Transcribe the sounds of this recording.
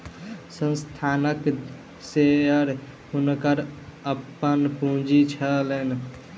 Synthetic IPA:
sə̃nst̪ʰanək | seəɾ | hunkəɾəpːənpũd͡ʒit͡ʃʰəlen

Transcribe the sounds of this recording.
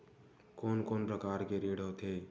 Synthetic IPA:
koːnkoːnpɾəkaːɾkeɾiɽot̪ʰe

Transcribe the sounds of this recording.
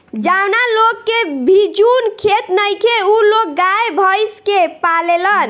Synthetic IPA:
d͡ʒawnalokːebʱid͡ʒunkʰet̪nəjkʰeulok̚ɡajebʱəjskepalelən

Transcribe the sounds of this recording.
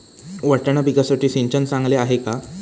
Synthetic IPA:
ʋəʈəɳ̃abiɡasəʈiːsiɲt͡ɕənt͡sãŋɡleaɦeka

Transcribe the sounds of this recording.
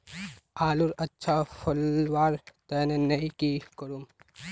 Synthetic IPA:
aːluɾɐtːʃʰapʰɐlʋaːɾt̪ɛːnenɐĩkikəɾum

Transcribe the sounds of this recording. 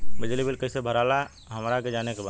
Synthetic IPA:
bɪd͡ʒlibɪlkəisebʱəɾaːla | ɦəmɾaked͡ʒaːnekebaː

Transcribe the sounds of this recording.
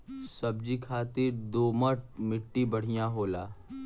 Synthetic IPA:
sɐb̚d͡ʒikʰaːt̪ɪɾd̪oːməʈ̚mɪʈːibɐɽ̤ijãɦoːlaː

